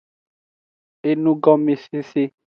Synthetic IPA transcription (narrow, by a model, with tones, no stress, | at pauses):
e˦nũ˦ɡɔ˦mi˨si˦si˦